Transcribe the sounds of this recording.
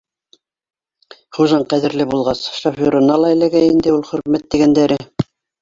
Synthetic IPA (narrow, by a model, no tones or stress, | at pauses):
χuʒɑɴqæðɘ̆ɾlɘbulˠʁɑsʃofoɾŏnɑlˠɑĕlæɡæjind̪ɘulˠχɵ̆ɾmæt̪ːiɡænd̪æɾɘ